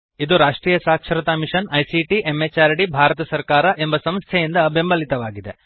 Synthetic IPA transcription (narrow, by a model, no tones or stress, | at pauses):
id̪uɾaːʂʈɾiːjɐsaːkʂɐɾɐt̪amiʂɐnɐjsiʈiʔemːet͡ʃaːɾɐɽibʱaːɾɐt̪ɐsɐɾkaːɾɐʔe̞mbɐsɐmst̪ʰjɛjind̪ɐbe̞mbɐlit̪ɐʋaːɡid̪e